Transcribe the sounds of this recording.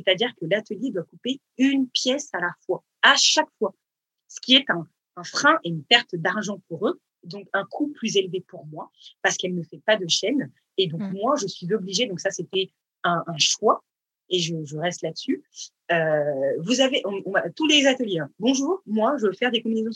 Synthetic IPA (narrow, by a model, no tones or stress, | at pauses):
set̪ad̪iʁkəlat̪əljed̪wakupe | ynpjɛsalafwa | aʃakfwa | sə̥kʲiɛt̪ɛ̃ | ɛ̃fχɛ̃ʔeynpɛʁt̪d̪aʁʒɑ̃puʁø | d̪ɔ̃kɛ̃kʰuplyzelvepuʁmwapaʁsə̥kɛlnəfɛpad̪əʃɛn | ed̪ɔ̃kmwaʒəsɥizɔbliʒed̪ɔ̃ksaset̪ɛ | ɛ̃ʔɛ̃ʃwa | eʒəʒəʁɛst̪lad̪əsy | øvuzaveʔɔ̃ɔ̃at̪ulezat̪əljeɛ̃bɔ̃ʒuːʁmwaʒəəfɛʁd̪ekɔ̃binezɔ̃